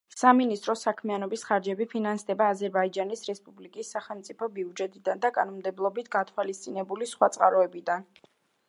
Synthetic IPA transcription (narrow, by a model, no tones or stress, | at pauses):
saminist̪ʼɾɔsakʰmianɔbisχaɾd͡ʒɛbipʰinansd̪ɛbaːzɛɾbaid͡ʒanisɾɛspʼublikʼisːaχɛlˠmt̪sʼipʰɔbiud͡ʒɛt̪ʼid̪and̪akʼa̰nɔmd̪ɛblˠɔbit̪ʰɡat̪ʰwalist̪sʼinɛbulisχwat̪sʼqʼaɾɔɛbid̪an